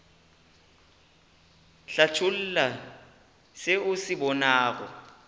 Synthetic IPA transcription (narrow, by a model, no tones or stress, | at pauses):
ɬat͡ʃʰul̩la | sɪʊsɪbɔnaːɣɔ̰